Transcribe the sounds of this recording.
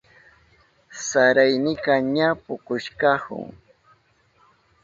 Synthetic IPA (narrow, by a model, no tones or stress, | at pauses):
saɾajnɪkaɲapʊkʊʃkɑhʊ̰ŋ